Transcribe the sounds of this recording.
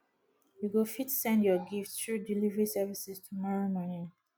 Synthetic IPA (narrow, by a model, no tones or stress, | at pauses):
juɡofitsɛ̃ndjɔɡifttɹudilivəɹisɛvisistʰumɔɹomani